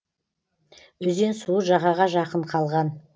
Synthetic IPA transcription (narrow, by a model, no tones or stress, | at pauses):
wɵze̞nsuəʒɑʁɑʁɑʒɑqəɴqʰɑlˠʁɑn